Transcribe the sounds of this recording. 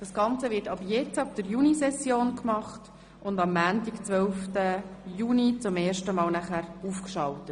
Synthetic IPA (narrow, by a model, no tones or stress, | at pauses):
d̥ɑsɡ̥ɑnt͡səʋɪɾtɑbəjɛt͡sɑb̚d̥əɾjunisɛsjoːnkmɑχt | ʊndɑmːæːntikt͡sʋœlftəjuːnit͡sʊmeːrʃtəmɑːlnæχæɾuːfkʃɑltət